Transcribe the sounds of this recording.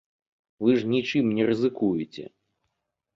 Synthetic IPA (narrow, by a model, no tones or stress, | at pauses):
vɨʐnʲit͡ʂɨmnʲɛɾɨzɨkujɪt͡sʲɛ̰